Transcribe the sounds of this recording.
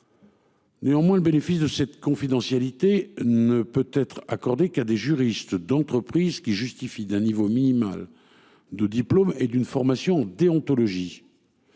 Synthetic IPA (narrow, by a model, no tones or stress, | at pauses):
neɑ̃mwɛ̃ləbenefisd̪əsɛt̪kɔ̃fid̪ɑ̃sjalit̪enəpøt̪ɛt̪χa̰kɔʁd̪ekad̪eʒyʁist̪d̪ɑ̃t̪χəpχizkʲiʒyst̪ifid̪ɛ̃nivominima̰l | d̪əd̪iplomed̪ynfɔʁmasjɔ̃ɑ̃d̪eɔ̃t̪ɔlɔʒi